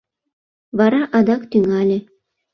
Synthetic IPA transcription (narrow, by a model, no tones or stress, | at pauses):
βɑɾɑʔɑd̪ɑkt̪yŋælʲɘ̆